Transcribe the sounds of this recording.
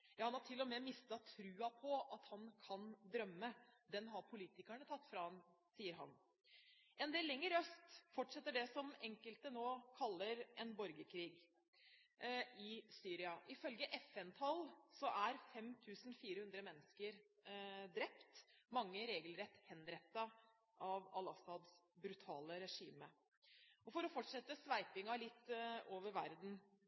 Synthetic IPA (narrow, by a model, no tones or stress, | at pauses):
jɑːhɑnɑʈʰɪlːɔmɛmɪst̪ɑt̪ʰɾʉːɑpʰɔɑt̪hɑnkʰɑnd̪ɾœmːəd̪ɛnɦɑɾpʰʊliːt̪ɪkæɳət̪ʰɑt̪ːfɾɑmsiːəɾɦɑ̰n | ʔɛnd̪eːlːɛŋːəɾœst̪fɔʈʂɛt̪ːəɖɛsɔmɛŋkəlt̪ənoːkʰɑlːəɾɛnbɔɾɡəkʰɾiːɡ | ɪsyːɾɪɑʔɪfœlɡəʔɛfɛnt̪ʰɑlsɔʔæɾfɛmt̪ʰʉːsn̩fiːɾəhʉnd̪ɾəmɛnːəskəɾ | d̪ɾɛpt̪mɑŋːəɾeːɡəlɾɛt̪ːhɛnɾɛt̪ːɑ | ʔɑʋɑlɑsɑd̪sbɾʉt̪ʰɑ̰ːləɾɛʂḭːmə | ɔfɔɾɔfɔʈʂɛt̪ːəsʋæɪpɪŋɑlɪt̪ːoːʋəɾʋæɾd̪n̩